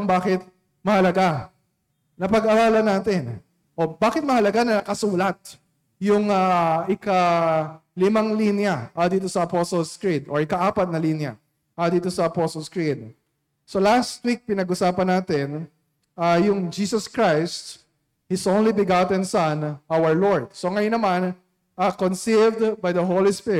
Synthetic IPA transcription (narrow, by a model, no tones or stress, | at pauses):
ŋbaːkɪt̪̚ | mɐhɐlɐɡa | nɐpɐɡɐɾaːlɐnaːt̪ɪn | ʔo̞baːkɪt̪̚mɐhɐlɐɡanɐɐkɐsuːlɐt̪̚ | jʊŋaʔɪkɐ | lɪmɐŋlinjɐʔɐd̪iːt̪o̞sɐɐposolskɹid̪ʔoɹɪkɐʔaːpɐt̪̚nɐlinjɐ̰ | ʔɐd̪iːt̪o̞sɐɐposolskɹɪd̪̚ | so̞last̪wik̚pɪnɐɡʔʊsaːpɐnaːt̪ɛn | ɐjʊŋd͡ʒiːsɐskɹajst̪ | hɪsʔõnlibɪɡat̪ɛnsɐnʔawəɹloɹd̪̥̚so̞ŋɐjonɐman | ɐkonsivd̪bajd̪ɐɦolispɪɪ